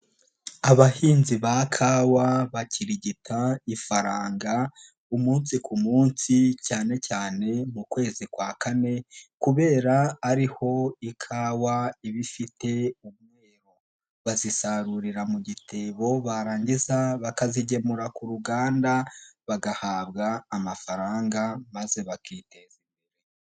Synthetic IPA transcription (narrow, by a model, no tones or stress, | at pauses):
aβahiːnziβakʰaːwaβaciɾiɟitʰaifaɾaːŋɡa | umuːnsikumuːnsicaːne̞caːne̞mukwe̞ːzikwaːkane̞kuβe̞ːɾaːɾiho̞ikʰawaiβifite̞umŋeːɾo | βazisaɾuɾiɾamuɟitʰe̞βo̞βaɾaːɲɟizaβakaziɟe̞muɾakuɾuɡaːndaβaɡahaːβɡaːmafaɾaːŋɡamaze̞βakitezimbeɾe